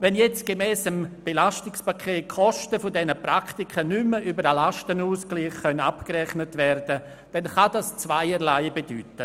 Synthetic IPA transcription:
vɛnjɛt͡stɡ̥emɛːsəmb̥elaʃtɪkspakʰeːt̚kʰɔʃtəfʊdɛnəpraktikʰənyməʔybəɾalaʃtənuːskliːχːœnapkɾɛχnətvɛɾdə | d̥ɛnχadast͡svaɪəɾlaɪbedyːtə

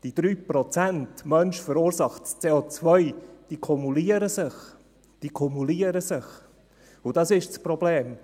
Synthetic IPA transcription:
d̥id̥ɾyːpɾɔt͡sæntmœnʃfəɾuːɾsɑχtst͡seːot͡svœʏd̪̥iːkʰɔmuliəɾəsɪχ | d̥iːkʰumuliəɾəsɪχ | ʊdɑsɪʃt͡spɾɔbleːm

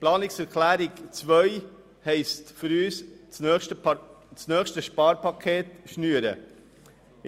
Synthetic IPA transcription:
plɑːnlɪsɛɾkʰlæːɾɪɡt͡svœʏ | hɛɪstfʏɾyːssʃtə | snœːxʃtəʃpɑːɾpɑkʰeːtʃnyːəɾə̰

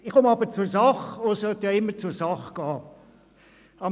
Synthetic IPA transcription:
ɪχkomɑbət͡sʊsɑχosœt̪jɑːɪmːət͡sʊsɑχɡ̥ɑː | ɑ

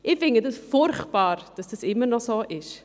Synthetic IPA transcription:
ʔɪfɪŋɡədəsfʊɾχtb̥aːɾd̥ɐsd̥əsɪmənɔsoːʔɪʃ

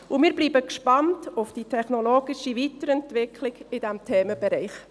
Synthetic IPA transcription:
ʊmiːɾbliːbəkʃpɑntʊfd̥itʰɛχnɔloːɡɪʃivitəɾɛntvɪkʰlɪɡɪd̥ɛmtʰeːməb̥ɛɾɛɪχ

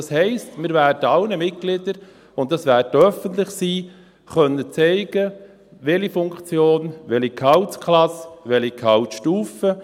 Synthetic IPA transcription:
ɑshɛɪstmɪɾʋæːɾdəɑlnəmɪt̚ɡ̥lɪdəɾ | ʊnt̚dɑsʋæːɾtœfəntlɪχsiː | χœnːət͡sɛɪɡ̥ə | ʋɛlifʊŋkt͡sjoːnʋɛlikʰɑʊtkχlɑsʋɛlikʰɑwtʃtuːfə

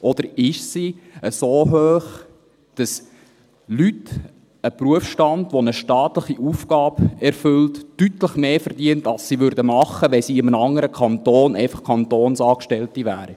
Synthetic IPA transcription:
ʔɔd̥̪əɾɪʃsiəsoːɦøːχ | d̥ɑs | lyt | əpruəfʃtɑndʋonəʃtɑːt̪ləχiʔuːfɡ̥ɑːbɛɾfɵltːytləχmeːfəɾd̥iəntɑlssiʋʏɾdəmɑχːəʋɛsiːɪmənɑŋəɾəkʰɑnt̪oːnɛɪfɑχkʰɑntoːnsɑːkʃtɛltiʋæːɾi

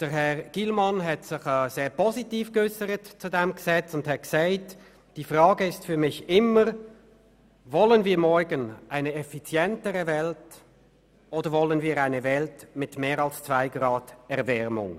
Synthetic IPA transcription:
d̥əʁɦɛʁɡ̥ilmɑnɦɛtsɪχɛːzeːʁpʰɔzitiːfɡ̥ʏsəɾətt͡sudɛmɡ̥əsɛt͡sʊnthɛt̚ksaɪt | d̥iːfʁɑːɡəɪstfyːɐmɪçɪməʁ | vɔlənviːɐmɔɹɡənʔaɪnəɛfit͡sjɛntəʁəvɛlt | ʔoːdəʁvɔlənviːʁaɪnəvɛltmɪtmeːʁɑlst͡sv̥aɪɡʁɑːdɛʁvɛʁmʊ̰ŋ

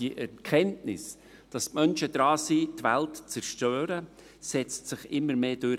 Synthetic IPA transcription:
iəʔɛɾkʰɛntnɪ̰s | d̥ɑsmœnʃəd̥ɾɑːsiːtʋæltt͡sɛɾʃtøːɾə | sɛt͡stsɪχɪmːəɾmeːd̥øɾ

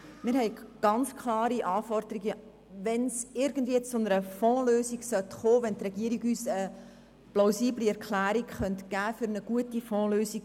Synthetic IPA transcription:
mɪːɾhɛɪɡ̥ɑnt͡skʰlɑːɾiʔɑːfɔrd̥̪əɾiɡə | ʋɛnsɪɾɡ̥əndviːət͡sʊnəɾəfɔ̃ːløːsiɡsœtχoːʋɛnt̪rɛɡiəɾiɡyːsə | plaʊsiːbliɛɾkʰlæːɾikχœnt̪ɡ̥æːfʏɾnəɡ̥uətifɔ̃ːløːsiɡ

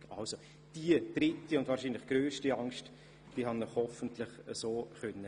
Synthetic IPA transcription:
ka̰lso | d̥iəd̥ɾɪtːiʊnd̥vaːɾʃiːnlɪχɡ̥ɾøːʃtiɑŋst | d̥iːɦandɔχhɔfəntlɪχəsoːχœnːə

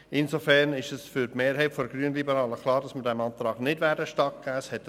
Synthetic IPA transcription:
ɪnsofɛɾnɪʃɛsfyɾtmeːɾɦɛɪtfodəɡryənlibəɾɑːləkʰlˠɑːɾdɑsməɾdɛmɑnt̪ɾɑːɡ̥nɪdvæːɾdəʃtɑk̚ɡ̥æːəshɛt

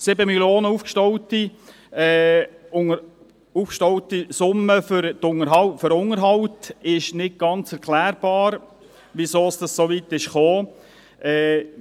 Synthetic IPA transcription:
sɪbəmiljoːnəuːfkʃtɔwti | ɛː | ufkʃtɔwt̪isʊmːəfʏɾt̪ʊŋəɾɦɑwføɾʊŋəɾɦɑwtɪʃnɪt̚ɡ̥ɑnt͡sɛɾkʰlæːɾb̥ɑːɾ | ʋisoːsd̥ɑssoʋit̪ːɪʃχoː | ʔɛː

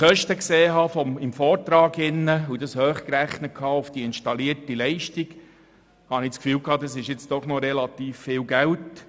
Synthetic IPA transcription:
χœʃtəkseːɦɑːfɔɪmfɔːɾtɾɑːɡɪnːəudɑshøːχkɾæχnət̚kʰɑːʊfd̥iɪnʃtɑliəɾtilɛɪʃtiɡ | hɑnɪt͡skfyːlkʰɑːdɑsɪʃjɪt͡std̥ɔχnɔɾɛlɑtiːfːɪːlɡælt

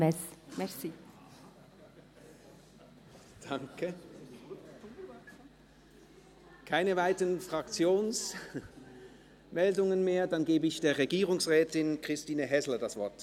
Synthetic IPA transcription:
ɛsmɛsi | d̥aŋkə | kʰaɪnəvaɪtənfʁ̥akt͡sjoːns | mɛldʊŋənmeːɐdanɡeːbəɪçd̥eːɐʁeɡiːʁʊŋsʁɛːtɪnkʁ̥ɪstiːnəɦɛslədasv̥ɔɐt

